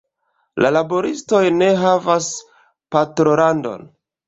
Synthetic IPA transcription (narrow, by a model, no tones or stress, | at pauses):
lʔalaboɾisto̞jne̞ɦavas | patɾolando̞̰n